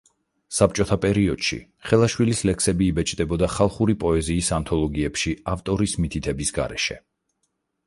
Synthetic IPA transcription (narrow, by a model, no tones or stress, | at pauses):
sap̚t͡ʃʼɔt̪ʰapʼɛɾiɔd̪̥ʃḭ | χɛlˠaʃwilislɛkʰsɛbiːbɛt͡ʃʼd̪ɛbɔd̪aχalˠχuɾipʼɔɛziːsant̪ʰɔlˠɔɡiɛpʃiaft̪ʼɔɾismit̪ʰit̪ʰɛbisɡa̰ɾɛ̰ʃɛ̰